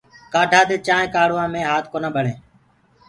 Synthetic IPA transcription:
kaːʈʰaːd̪eːt͡ʃãːɦẽːkaːɽoːãːmẽːɦaːt̪̚ʰkoːnaːɓʱəɽẽː

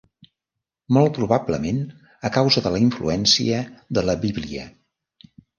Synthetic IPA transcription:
mɔlˠt̪̚pɾuβabləmen | əkawzəðələiɱflṵɛnsḭəðələβiβliə

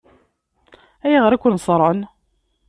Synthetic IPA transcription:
æjiʁəɾækʷːʊnsˤɾˤɑn

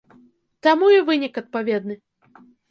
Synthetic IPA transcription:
t̪amujivɨnʲikɐt̪̚pavʲɛd̪nɨ

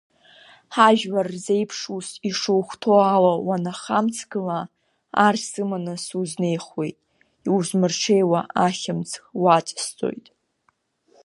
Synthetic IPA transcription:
ħaʒᶣwarzejpʰʂusiʂuwχʷtʰoalawanaχamt͡sʰɡɨla | arsɨmanasuzne̞jχwe̞jtʼ | iwzmɨrʈ͡ʂʰe̞jwaʔaχʲɪmt͡sʰxwat͡sʼst͡sʼo̞̰jtʼ

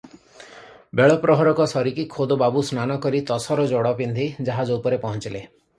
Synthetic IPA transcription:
beɭɔpɾɔɦɔɾɔkɔsɔɾikikʰod̪obabusnanɔkɔɾit̪ɔsɔɾɔd͡ʒɔɽɔpind̪ʱid͡ʒaɦad͡ʒɔupɔɾepɔɦɔnt͡ʃile

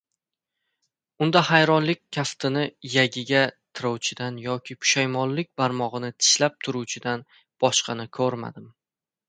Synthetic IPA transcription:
ʊnd̪ahajɾɒnlɪk̚ʲʰːaft̪ʰɪnɪjaɡʲɪɡʲat̪ʰɪɾɒwt͡ʃʰɪd̪anjɒkʲʰɪkʰʊ̥ʃajmɒlˠlːɪk̚ʲbaɾmɒʁɨnɪt̪ʰɪ̥ʃlap̚t̪ʰʊɾuwt͡ʃʰɪd̪an | b̥ɒʃqɑnɪkʲʰɵɾma̰d̪ɪm

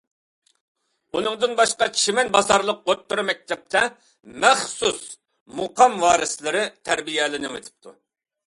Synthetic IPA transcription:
unɨŋd̪ɨnbɑʃqɑt͡ʃʰimɛnbɑzɑɾlˠəq̚ːot̪ʰːuɾumɛk̚ʲt̪ʰɛp̚t̪ʰɛ | mɛχsus | moqʰɑmwɑːɾɨslˠɨɾɨt̪ʰæɾbijɛlɪnɪŋḛt̪ʰɪ̥p̚t̪ʰu

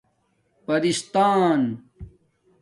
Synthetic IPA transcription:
pɐɾist̪aːn

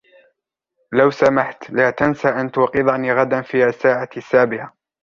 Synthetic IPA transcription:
lawsamaħt̪laːt̪ansaʔant̪ʊːqɨðˤɑniːɣad̪anfiːasaːʕasːaːbɪʕa

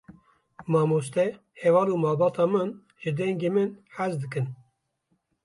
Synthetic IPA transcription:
mɑːmost̪ɛ | hɛvɑːluːmɑːlbɑːt̪ɑːmɨn | ʒɨd̪ɛŋɡeːmɨnħæzd̪ɨkɨn

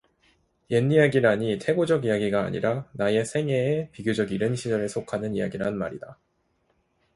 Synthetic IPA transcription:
jenːijaɡiɾaɲitʰe̞ɡod͡ʑʌɡijaɡiɡa̰ːɲḭɾanae̞sʰe̞ŋe̞ːpiɡjod͡ʑʌɡiɾɯnɕʰid͡ʑaɾɯɭsʰokʰanɯnija̰ɡiɾanɯnma̰ɾida

